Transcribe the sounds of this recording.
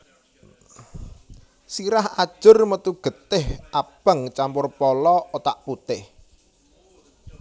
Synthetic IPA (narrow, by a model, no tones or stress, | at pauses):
siɾahad̥ʒ̥ʊrmət̪uɡ̥ə̤t̪ɪhʔab̥əŋt͡ʃampʊrpɔlɔot̪aʔput̪ɪh